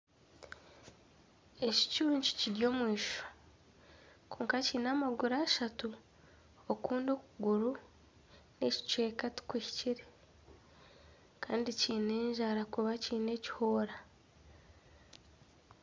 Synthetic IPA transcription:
e̞ci̥cuːɲci̥ciɾjo̞ːmwiːʃo̥ | kʰoːŋkaciːnaːmaɡuɾaːʃatu | okuːndo̞ːkuɡuɾu | ne̞ci̥t͡ʃweːkatu̥kwiːci̥ciɾe | kaːndiciːne̞ːɲʒaɾakuβaciːne̞ci̥hoːɾa

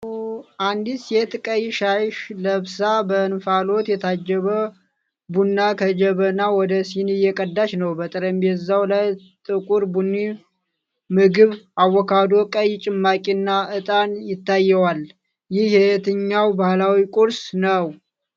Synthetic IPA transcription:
ʔand̪isjet̪kʼəjʃajʃləβsabənfalo̞t̪jɛt̪ʰad͡ʒːɛβə | bunːakʰəd͡ʒɛβənawɔd̪əsinɨjɛkʼəd̪ːaʃnəwbət̪ʼɨɾəmbɛzawlaj | t̪ʼɨkʼuɾbunːi | mɨɡɨβawːɔkʰad̪o̞kʼəjt͡ʃʼɪmːakʼinːaɨt̪ʼanjɪt̪ːajːɛwal | jɪhhet̪ɨɲːawbahlawikʼuɾsnəw

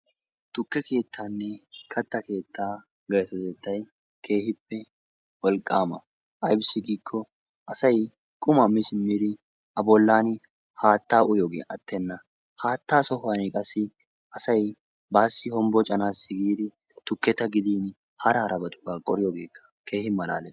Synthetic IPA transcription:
t̪ʊkːɛke̞ːt̪ʰːaːnːɛkʰɐt̪ːɐke̞ːt̪ːaː | ɡɐjsɔzɛːt̪ːɐj | kʰe̞ːhɪpːɛ | wɔlkʼːaːmɐ | ʔɐjbsɪɡiːkʰːɔ | ʔɐsɐj | kʼʊmɐmɪsɪmːiːd̪ɪ | ʔɐbɔlːaːn | haːt̪ːaːʊjoːɡḛːɐ̰t̪ʰːɛnːɐ | haːt̪ːaːsɔhaːnɛkʼɐsːɪ | ʔɐsɐj | baːsːɪhɔmbɔt͡ʃʼɐnaːsɪɡiːd̪ɪ | t̪ʊkːɛt̪ːɐɡɪd̪iːn | hɐɾaːɾʔɐbɐt̪ʼʊ̥baːkʼɔɾɪjoːɡe̞ːkːɐ̥kʰe̞ːhɪmɐla̰ːlɛ

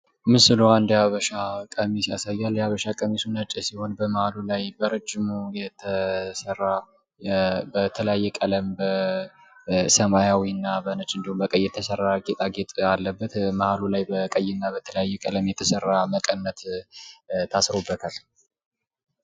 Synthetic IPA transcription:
mɨsɨluand̪jaβəʃakʼəmisja̰sajːaljaβəʃakʼəmisunət͡ʃʼəsiho̞nbəməhalulajbəɾəd͡ʒːɪmujɛt̪ʰəsəra | bət̪ʰələjajːɛkʼələmbə | səmajawiɨnːabənət͡ʃʼɨnd̪ihumbəkʼəjːɛt̪ʰəsərːaɡʼet̪ʼaɡet̪ʼalːəbːət̪məhalulajbəkʼəjɪnːabət̪ʰələjajːɛkʼələmjɛt̪ʰəsərːaməkʼənːət̪ | t̪ʰasɾobːət̪ʰal

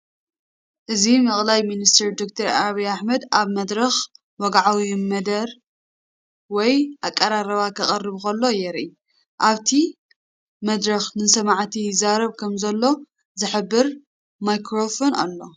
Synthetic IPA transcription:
ʔɨzimɐχʼlajminist̪ʰɐɾd̪ok̚t̪ʰɐɾaβɐjaħmɐd̪aβmɐd̪ɾɐx | wɔɡʕawimɐd̪ɐɾ | wɔjʔakʼːɐɾaɾɐβakʰɐχʼɐrːɨβxɐlːo̞jɛɾi | ʔaβt̪ʰi | mɐd̪ɾɐxnɨsɐmaʕt̪ʰijzaɾɐβkʰɐmzɐlːo̞ | zɨħɨbːɨɾ | majkʰɾofona̰lːo̞

